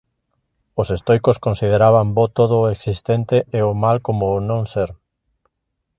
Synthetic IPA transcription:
osest̪ojkoskonsið̞eɾaβ̞ambot̪oð̞oeksist̪ent̪eeomalkomoːnõŋseɾ

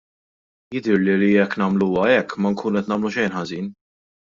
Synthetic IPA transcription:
jɪd̪ɪɾliliɛkːnɐmluːwɐɛkːmɐŋkʰuːnɛt̪nɐːmluʃɛjnħɐziːn

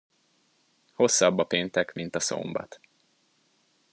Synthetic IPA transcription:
ho̞sːɒbːɒpeːnt̪ɛkmint̪ɒso̰mbɒ̰t̪

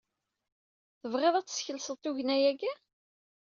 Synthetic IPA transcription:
θəvʁeðˤæt͡sːsçəlsəðˤt̪uʝnæjæɡæ

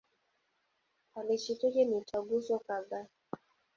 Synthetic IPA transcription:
alit͡ʃitukɛnitaɡusɔkaða

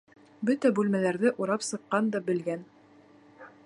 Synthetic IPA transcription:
bɵt̪æbʉlmælæɾðɘʔuɾɑpsɤ̆qːɑnd̪ɑbɘ̆lɡæn

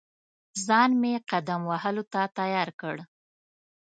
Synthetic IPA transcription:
zɑnmeqad̪amwahəlot̪at̪ajɑɾkəɽ

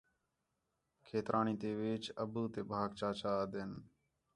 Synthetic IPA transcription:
kʰeːt̪ɾʔaːnĩːt̪eːʋɪːt͡ʃəbuːt̪eːbʱaːɡt͡ʃaːt͡ʃaːd̪en

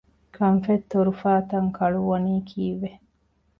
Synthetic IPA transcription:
kʰɐnfet̪ːoɾufaːt̪ɐŋkʰɐɭuʋɐniːkʰiːʋe

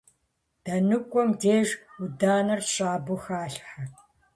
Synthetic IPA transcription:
d̥ɐnɨkʷʼɔmdeːʒudaːnɐrɕʼaːbʊxaːɬħɐ

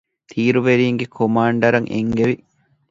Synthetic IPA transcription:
t̪ʰiːɾuʋeɾiːŋɡekʰomaːɳɖɐɾɐŋʔḛŋɡeʋi

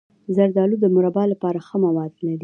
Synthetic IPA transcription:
zaɾd̪ɑlud̪əmʊɾabɑlapɑɾaxəmawɑd̪nad̪i

